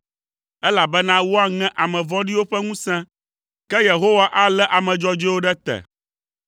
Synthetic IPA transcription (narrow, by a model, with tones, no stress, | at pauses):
ɛ˦la˨bɛ˦nã˦wo˦a˦ŋɛ̃˦ʔa˨mɛ̃˨vɔ̃˦ɖi˦wo˦ɸɛ˦ŋũ˦sɛ̃˦ | kɛ˦je˨ɦo˦wa˦ʔa˦lɛ˦ʔa˨mɛ̃˨d͡ʒɔ˦d͡ʒɛ˦wo˦ɖɛ˦t̪ɛ̰˨